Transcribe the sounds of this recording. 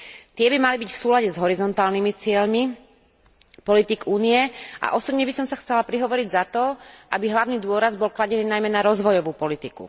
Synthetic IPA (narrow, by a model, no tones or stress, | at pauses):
t̪ɪɛbimalibicfsuːlaɟɛzɦɔɾizɔnt̪aːlnimit͡sɪɛʎmi | pɔlit̪iɡuːniɛʔa̰ʔɔsɔbɲɛbisɔmsaxt͡sɛlapɾiɦɔʋɔɾiɟzat̪ɔʔabiɦlaʊniːd̪ʊɔɾazbɔlklaɟɛniːnajmɛnaɾɔzʋɔjɔʋuːpɔlit̪ikṵ